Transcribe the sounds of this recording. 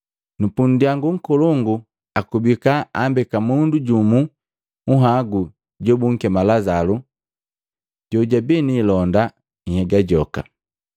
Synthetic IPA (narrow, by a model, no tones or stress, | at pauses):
nupun̩diaŋɡuŋ̩kɔlɔŋɡu | akubikaambɛkamunduɟumu | uɦaɡu | ɟɔbuŋ̩kɛmalazalu | ɟɔɟabɛniːlɔnda | hɛɡaɟɔka̰